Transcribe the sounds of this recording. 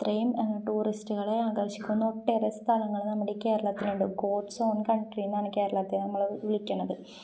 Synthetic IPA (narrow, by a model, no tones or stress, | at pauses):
t̪rejɐmenːɐʈuːristuɣɐɭe̞aːɡɐrɕikʲːunːoʈːerɐst̪ʰɐlɐŋːɐɭnɐmːɐɽikːeːɾɐɭɐːt̪ːiluɳɖɨɡo̞ːɖsoːnkɐɳʈrijnːɐnɐkːeːɾɐɭat̪ːinɐmːɐɭʋiɭikʲːuɳːɐðɨ